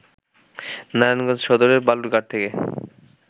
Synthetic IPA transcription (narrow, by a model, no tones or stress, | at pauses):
naɾanɡɔ̃d͡ʑʃɔd̪oɾeɾbaluɾɡaʈ̚t̪ʰeke